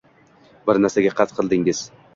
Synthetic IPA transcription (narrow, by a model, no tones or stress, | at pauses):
bɪɾnæɾsaɡʲaqʰɑt̪qʰɨlˠd̪ɪŋɪz̥